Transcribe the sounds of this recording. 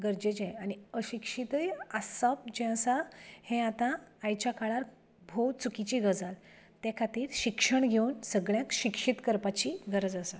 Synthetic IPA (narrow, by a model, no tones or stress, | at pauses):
ɡəɾd͡ʑed͡ʑẽaɽ̃iəɕikʂit̪əjasəp̚d͡ʑẽəsahẽat̪ãːjt͡ɕjakaɭaɾ | bʱowt͡sukit͡ɕiːɡəd͡zal | t̪ekʰat̪iːɾɕikʂəɳɡʱewnsəɡɭjãkɕikʂit̪kəɾpat͡ɕiɡʱəɾəd͡zəsa